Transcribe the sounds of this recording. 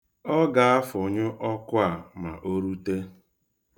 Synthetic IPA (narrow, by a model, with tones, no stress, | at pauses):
ɔ˦ɡa˨a˦fʊ˨ɲʊ˦ʔɔ˦kʊ˦a˨ma̰˨ʔo˦ɾu˦te˦